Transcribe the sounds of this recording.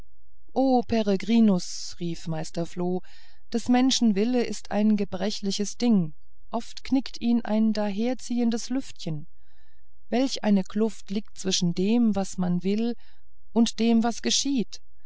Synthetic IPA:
ʔoːpʰɛʁəɡʁiːnʊs | ʁiːfmaɪstɐfloː | d̥asmɛnʃn̩vɪləʔɪstʰa̰ɪnɡəbʁɛçlɪçəsd̥ɪŋ | ʔɔftknɪktʰiːnʔa̰ɪndaːɦeːɐt͡siːəndəslʏftçən | vɛlçʔaɪnəkʰlʊftliːk̚t̚t͡sv̥ɪʃn̩deːmvasmanvɪl | ʔʊntd̥eːmvasɡ̥əʃiːt

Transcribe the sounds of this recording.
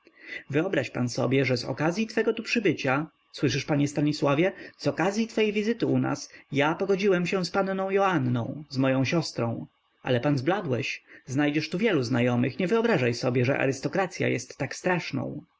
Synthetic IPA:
vɘɔbɾaɕpa̰nsɔ̰bʲjɛʐɛzɔ̰kazʲjit̪fɛɡɔt̪upʂɘbɘt͡ɕa | swɘʂɘʂpaɲɛst̪aɲiswavʲjɛz̥ɔkazʲjit̪fɛjvʲizɘt̪ɘuna̰sjapɔɡɔd͡ʑiwɛmɕɛspannɔ̃w̃jɔanːɔ̰̃w̃zmɔjɔ̃w̃ɕɔst̪ɾɔ̃w̃ | ʔa̰lɛpanzblad̪wɛɕznajd͡ʑɛʂt̪uvʲjɛluznajɔmɘxɲɛvɘɔbɾaʐajsɔbʲjɛʐɛ̰ʔa̰ɾɘst̪ɔkɾat̪sʲja̰jɛst̪ːakst̪ɾaʂnɔ̰̃w̃

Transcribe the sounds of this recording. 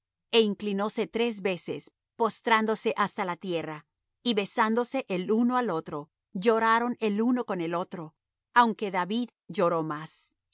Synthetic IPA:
e̞iŋklino̞se̞t̪ɾe̞zβe̞se̞s | po̞st̪ɾand̪o̞se̞ʔast̪alat̪je̞ra | iβe̞sand̪o̞se̞ʔelunoalo̞t̪ɾo̞ | ʝo̞ɾaɾo̞neluno̞ko̞nelo̞t̪ɾo̞ | awŋke̞ðaβið | ʝo̞ɾo̞mas

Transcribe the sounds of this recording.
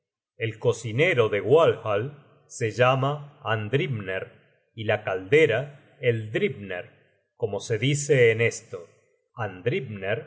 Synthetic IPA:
e̞lko̞sine̞ɾo̞ðe̞ɣwalxal | se̞ʒamaand̪ɾibneɾ | ilakald̪eɾa | eld̪ɾibneɾ | ko̞mo̞se̞ðiseːne̞st̪o | and̪ɾibneɾ

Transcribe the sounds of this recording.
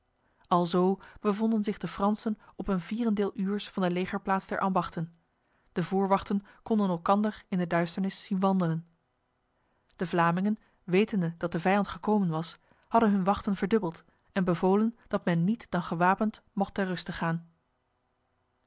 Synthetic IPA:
ɑlˠzowb̥əvɔndənzɪχdəfrɑnsənɔpənviːrəndɪːlˠʔyːɹsfɑndəlejχəɹplaːtzd̥ɛɹʔɑmbɑχtən | d̥əvʊːɹʋɑχtənkɔndənɛlˠkɑndəɹɪndədœɥstəɹnɪsːinʋɑndələn | d̥əvlaːmɪŋən | ʋejtəndədɑt̚dəvɛjɑntχəkowmənʋɑs | hɑdənɦɵnʋɑχtənvəɹdɵbəlˠt | ɛnbəvowlənd̥ɑtmɛnːitd̥ɑnχəʋaːpəntmɔχtɛrɵstəχaːn

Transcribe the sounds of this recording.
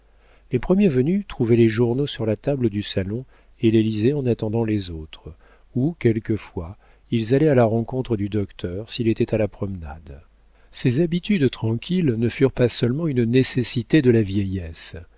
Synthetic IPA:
lepχəmjɛvənyt̪χuvɛleʒuʁnosyʁlat̪abləd̪ysalɔ̃ | elelizɛɑ̃nat̪ɑ̃d̪ɑ̃lezot̪χ | ukʲɛlkəfwa | ilzalɛalaʁɑ̃kɔ̃t̪χəd̪yd̪ɔkt̪ʰœʁsilet̪ɛt̪alapχɔmna̰d̪ | sezabit̪yd̪t̪χɑ̃kʲʰilnəfyʁpasœlmɑ̃ynnesesit̪ed̪əlavjɛjɛs

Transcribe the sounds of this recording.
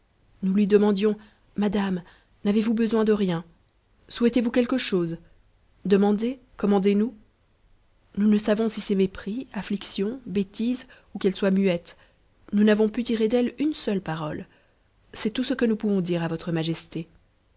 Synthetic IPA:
nulɥid̪əmɑ̃d̪jɔ̃ | mad̪am | navevubəzwɛ̃d̪əʁjɛ̃ | swɛt̪evukʲɛlkəʃoːz | d̪əmɑ̃d̪ekɔmɑ̃d̪enu | nunəsavɔ̃sisɛmepχiafliksjɔ̃bet̪iz | ukɛlswamyɛt̪ | nunavɔ̃pyt̪iʁed̪ɛlynsœlpaʁɔl | sɛt̪usəkənupuvɔ̃d̪iʁavɔt̪χəmaʒɛst̪e

